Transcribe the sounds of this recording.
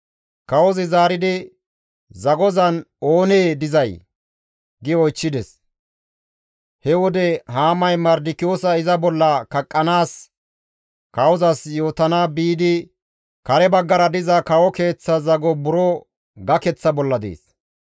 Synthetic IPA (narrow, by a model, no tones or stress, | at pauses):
kɐwɔzɪzaːɾɪd̪ɪ | zɐɡɔzɐno̞ːneːd̪ɪzɐj | ɡɪɔjt͡ʃːɪd̪ɛs | hɛwɔd̪ɛɦaːmɐjmɐɾd̪ɪkːɪjoːsɐɪzɐbɔlːɐkɐkʼːɐnaːs | kɐwɔzɐsjo̞ːt̪ɐnaːbiːd̪ɪ | kɐɾɛbɐɡːɐɾɐd̪ɪzɐkɐwɔke̞ːt͡sːɐzɐɡɔbʊɾɔ | ɡɐkɛt͡sːɐbɔlːɐd̪ḛːs